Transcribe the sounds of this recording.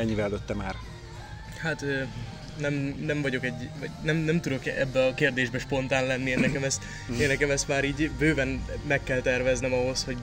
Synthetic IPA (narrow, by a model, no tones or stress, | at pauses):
ɛɲːivɛd̪øt̪ːɛmaːr | hat̪øː | nɛmnɛɱvɒɟo̞kɛɟːɒɟnɛmnɛmt̪ud̪o̞kɛ̰bːɛɒkeːrd̪eːʒbɛʃpo̞nt̪aːnlɛnːieːnːɛkɛmɛst̪ | eːnːɛkɛmɛst̪maːɾiːɟbøːvɛnmɛkːɛlt̪ɛrvɛznɛmɒɦo̞sho̞ɟ